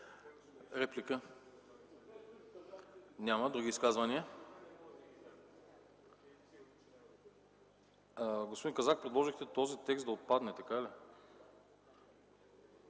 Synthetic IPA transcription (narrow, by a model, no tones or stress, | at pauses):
ɾɛplikə | nʲaməd̪ɾuɡ̟iːskazvɐniə | ɡospod̪inkɐzak̚pɾɛd̪lˠɔʒixt̪ɛt̪ɔzit̪ɛksd̪ɐot̪̚pad̪nɛt̪ɐkali